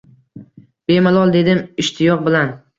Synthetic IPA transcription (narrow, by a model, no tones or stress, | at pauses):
b̥e̞malˠɒlˠd̪e̞d̪ɪmɪʃt̪ʰɪjɒq̚bɪlan